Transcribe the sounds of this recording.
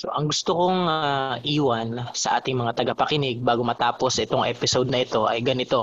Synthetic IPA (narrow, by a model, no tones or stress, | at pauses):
so̞̰ʔɐŋɡʊst̪okoŋaʔiːwɐnsɐʔa̰ːt̪ɪŋmɐŋat̪ɐɡɐpɐkɪnɪɡ̚baːɡomɐt̪aːpo̞sʔɛt̪oŋʔɛ̰ːpɪsowd̪̚nɐʔɪt̪o̞ʔɐ̰jɡɐnɪt̪o̞